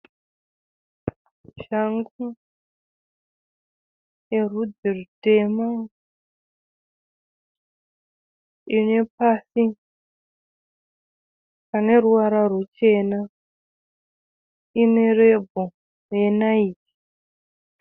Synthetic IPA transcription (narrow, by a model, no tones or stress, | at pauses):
ʒaŋɡu | jerud͡zirutema | ine̞pasi | kane̞ruwaɾarwut͡ʃe̞na | ine̞rebʱo | je̞naiːki̥